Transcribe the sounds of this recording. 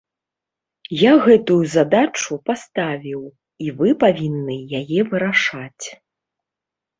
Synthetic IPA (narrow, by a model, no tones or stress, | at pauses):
jaɣɛt̪ujuzad̪at͡ʂupast̪avʲiw | ivɨpavʲinːɨjajɛvɨɾaʂat͡sʲ